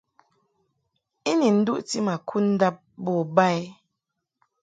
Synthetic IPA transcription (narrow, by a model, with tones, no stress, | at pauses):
i˦ni˨n̩˦dṵ˦ʔti˦ma˨kʰu˦n̩˦da˦p̚bɔ˨ba˦i˦